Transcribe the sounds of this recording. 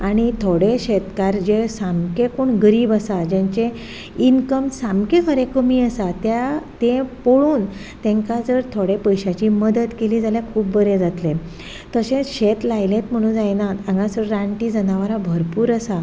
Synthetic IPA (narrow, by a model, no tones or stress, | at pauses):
aɽ̃it̪ʰoɽeɕet̪kaɾd͡ʑesamkekoɳɡəɾiːbasad͡ʑẽɲt͡ɕe | inkəmsamkekəɾekəmiːəsat̪jat̪ẽpoɽuːn | t̪ẽŋkad͡zəɾt̪ʰoɽepəjɕat͡ɕiːməd̪ət̪keliːd͡zaljakʰuːbːəɾed͡zat̪le | t̪əɕẽɕet̪lajlẽt̪m̤əɽ̃uːnd͡zajnat̪ãɡãsəɾɾaɳʈiːd͡zənaʋaɾabʱəɾpuːɾəsa